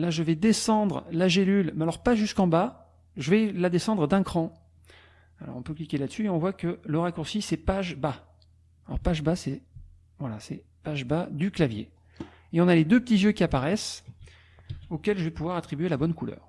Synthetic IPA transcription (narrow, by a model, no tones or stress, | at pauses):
laʒəvɛd̪esɑ̃d̪ʁlaʒelylmɛalɔʁpaʒyskɑ̃ba | ʒəvɛlad̪esɑ̃d̪ʁəd̪ɛ̃kχɑ̃ | alɔ̰ʁɔ̃pøklikʲelad̪əsyeɔ̃vwakələʁakuʁsisɛpaʒba | alɔ̰ʁpaʒbasɛ | vwalasɛ | paʒbad̪yklavjḛ | eɔ̃naled̪øpə̥t̪izjøkʲiapaʁɛs | okʲɛlʒəvɛpuvwaʁat̪χibɥelabɔnkulœ̰ːʁ